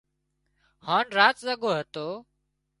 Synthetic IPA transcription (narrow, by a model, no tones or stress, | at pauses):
haːnɾaːt̪zəɡoːɦət̪oː